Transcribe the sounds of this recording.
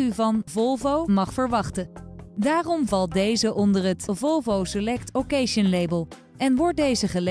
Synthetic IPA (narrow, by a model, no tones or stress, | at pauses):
yvɑnvɔlˠvowmɑχfəɹʋɑχtədaːrɔmvɑlˠt̚dejzəʔɔndəɹɦətvɔlˠvowsəlɛk̚tokejʃənlejbəlˠ | ɛnʋɔɹt̚dejzəχəl